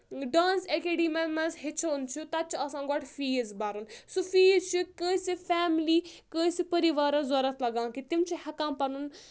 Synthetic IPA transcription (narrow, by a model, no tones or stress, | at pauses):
ɖãːnsekeːɖiːmɐmɐzɦit͡ʃʰont͡ʃʰut̪ɐt͡ʃʰiɐsãːɡɔʈʰfiːizbaːɾunsufiːzt͡ʃʰikə̃ːsifaːmliːkə̃ːsipɐɾiʋaːɾɐ̃zɔɾɐt̪ʰlɐɡãːkit̪imt͡ʃʰihɛkãːmpɐnun